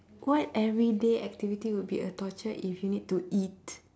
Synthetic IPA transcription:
wɔtɛvɹideɛk̚tivitiwud̚biətɔt͡ʃəʔifjunid̚tuit

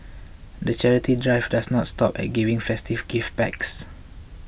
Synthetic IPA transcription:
dət͡ʃɛɹitidɹajvdasnɔtstɔpɛ̰t̚ɡivĩŋfɛstivɡifbɛ̰ks

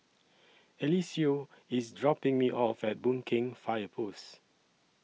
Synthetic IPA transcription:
ɛlisio | ɪsdɹɔpɪ̃ŋmiʔɔfɛt̚bũnkʰɪ̃ŋfaɪəpʰos

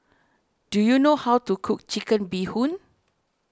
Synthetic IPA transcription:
d̥ujunohawtukʰuk̚t͡ʃikə̃nbihũn

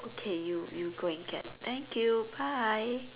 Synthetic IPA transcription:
ʔokʰejujuɡoɪ̃ŋɡɛ̰t̚t̪ʰɛ̃ŋkʰjubaɪ

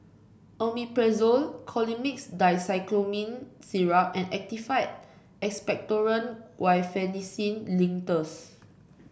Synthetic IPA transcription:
ʔomipɹɛzolkʰɔlimiksdajsaɪklomĩnsiɹaʔɛ̃nɛk̚tifajt | ɛkspɛk̚tɔɹə̃nwajfɛnisĩnlĩŋtəs

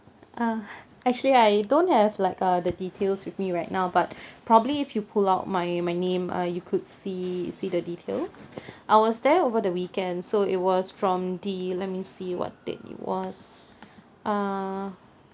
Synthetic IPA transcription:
ʔʌ | ɛk̚t͡ʃuəliaɪdõnt̚hɛvlaɪkʌdəditʰelswɪθmiɹaɪtnaʊbat̚pʰɹɔbəbliɪfjupʰulaʊt̚maɪmaɪnẽmʔʌ̰jukʰʊdsisidəditʰḛlsʔaɪwɔsdɛovədəwikɛ̃ndsoɪt̚wɔsfɹɔ̃mdilɛt̚misiwɔ̰t̚dɛ̰̃nɪ̰twɔ̰s | ʔʌ

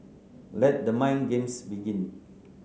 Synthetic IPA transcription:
lɛt̚dəmãjnɡẽmsbiɡĩn

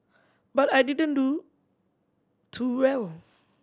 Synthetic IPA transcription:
batajdidə̃ndu | tʰuwɛl

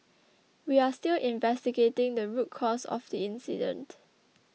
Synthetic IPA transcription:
wiastilʔĩnvɛstiɡetɪ̃ŋdəɹut̚kʰɔsɔ̰fdiɪ̃nsḭdə̰̃nt

